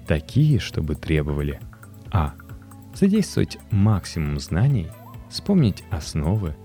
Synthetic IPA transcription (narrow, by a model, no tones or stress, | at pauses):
t̪ɐkʲijəʂt̪o̞̰bɨt̪ɾʲe̞bəvəlʲɪ | a | z̥ɐdʲejst̪və̰və̰tʲmaksʲɪmʊmznanʲɪj | fspomnʲɪtʲɐsno̞vɨ